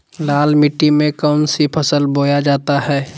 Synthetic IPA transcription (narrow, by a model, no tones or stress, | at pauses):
laːlmɪʈːimẽkəʊnsipʰəsəlboːjad͡ʒaːt̪aɦɛː